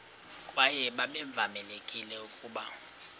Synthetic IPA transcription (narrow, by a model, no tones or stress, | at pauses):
kʼwajɛɓaɓɛɱb̪vʱamɛlekʼilɛukʼuːɓa